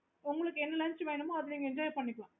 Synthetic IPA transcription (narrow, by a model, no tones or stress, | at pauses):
ʊŋɡɐɭɯkːɯɛnːɐlɐnt͡ʃʋeːɳɯmaːɐðɯliːŋɡɐɛɲd͡ʒaːjipɐɳːɪkːɐɭãː